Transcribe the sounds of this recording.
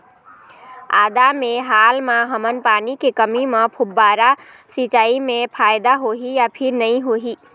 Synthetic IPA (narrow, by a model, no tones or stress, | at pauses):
aːd̪amẽɦaːlmãɦəmənpaːnikekəmimə̃pʰʊbːaːɾa | sit͡ʃaːimẽpʰaːjd̪aɦoɦijapʰɪɾnəĩɦoɦi